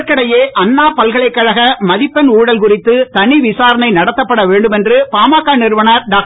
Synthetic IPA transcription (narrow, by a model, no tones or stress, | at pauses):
ɾkːɐɽɐjeːʔɐnːaːpɐlɣɐɭɐɪkːɐɻɐɣɐmɐðɪpːɐnuːɽɐlkʊrɪt̪ːɯt̪ɐɳiʋɪsaːɾɐnɐɪnɐɽɐt̪ːɐpːɐɽɐʋeːɳɖɯmɛndrɯpaːmaːkːaːnɪɾɯʋɐnɐɾɖaːk